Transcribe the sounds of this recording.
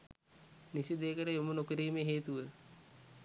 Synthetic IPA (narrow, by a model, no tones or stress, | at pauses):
nisid̪eːkəɾəjomunokiɾiːmeɦeːt̪uʋə